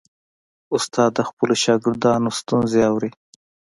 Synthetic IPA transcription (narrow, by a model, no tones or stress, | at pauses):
ʊst̪ɑːd̪ːəxpəloʃɑɡɪɾd̪ɑnost̪unzeawɾi